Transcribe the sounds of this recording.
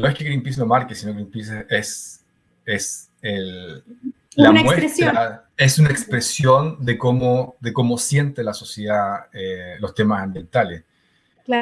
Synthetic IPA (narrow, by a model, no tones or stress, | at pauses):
noeskeɣɾimpisnomaɾkesino̞ɣɾimpisees | es | el | lanamwesɾt̪ɾa | esunaekspɾesjo̞nd̪ekomoðeko̞mo̞sje̞nt̪elaso̞sjeðaelo̞st̪e̞masambje̞nt̪alḛs | a